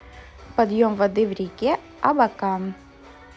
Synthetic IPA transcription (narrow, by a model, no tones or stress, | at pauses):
pɐd̪jomvɐd̪ɨvɾʲikʲe | ɐbɐkan